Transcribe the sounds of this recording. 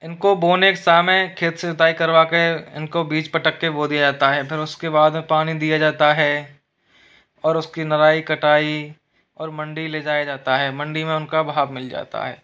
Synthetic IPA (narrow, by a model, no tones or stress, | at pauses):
ɪnkoboːneksaːmẽkʰeːt̪seʊt̪aːikɐɾʋakeɪ̰nkobiːt͡ʃpɐʈəkːeboːd̪ijad͡ʒaːt̪aɦɛpʰɪɾʊskebaːd̪mẽpaːñid̪ijad͡ʒaːt̪aɦɛː | ɔːɾʊskinɐɾaːikɐʈaːi | ɔːɾmɐ̃ɳɖileːd͡ʒaːjad͡ʒaːt̪aɦɛːmɐ̃ɳɖimẽʊnkabʱaːbmɪld͡ʒa̰ːt̪a̰ɦɛ̰ː